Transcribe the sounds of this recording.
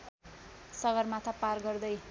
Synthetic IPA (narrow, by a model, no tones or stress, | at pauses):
sʌɡʌrmat̪ʰaparɡʌrd̪ʌj